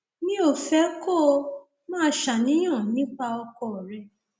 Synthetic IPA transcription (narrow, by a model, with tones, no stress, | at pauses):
nĩ˦o˦˨fɛ˦kɔ˦˧ | mãː˦ʃa˨nĩ˨˦j̃ã˦˨nĩ˨˦k͡pa˧ɔ˧kɔ˧˨ɾɛ˧